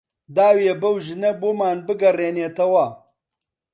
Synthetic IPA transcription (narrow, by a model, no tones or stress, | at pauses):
d̪aːwjebɐwʒɪneboːmaːnbɨɡɐreːneːt̪ɐwɐ